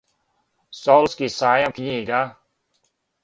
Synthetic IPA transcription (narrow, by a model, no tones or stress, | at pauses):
sɔlskisaːjamkʰiɲiɡa